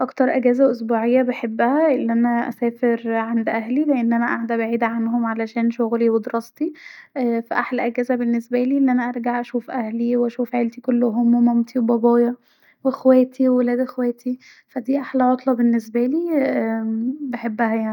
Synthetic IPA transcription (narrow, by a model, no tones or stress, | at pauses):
ʔɑkt̪ɑɾˤʔæɡæːzæʔosbuːʕejːæbeħebːæhæʔelːiʔænæʔæ̰sæːfeɾʕand̪ʔæɦlileʔenːʔænæʔaʕd̪æbeʕiːd̪æʕanhomʕalæʃæːnʃoɣliwed̪eɾʔɑst̪iʔfæʔaħlæʔæɡæːzæbenːesbæliːlːiʔænæʔɑɾˤɡaʕʔæʃuːfʔæhliwʔæʃuːfʕelt̪ikolːoɦomomomt̪ʰiwebɑbɑːjɑ | wexwæːt̪ʰiwwelæːd̪ʔexwæːt̪ʰi | fæd̪iːʔaħlæʕot̪ˤlɑbenːes̬bæliː | beħebːæhæjaʕni